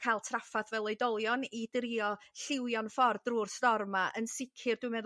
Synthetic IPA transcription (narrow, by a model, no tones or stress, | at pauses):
kʰajlˠtʰrafaðvɛlˠɔjdɔlˠjɔnidrɪɔɬɪwjɔnfɔrdruːrstɔrmaʔənsɪkʰɪrd̥wɨmɛð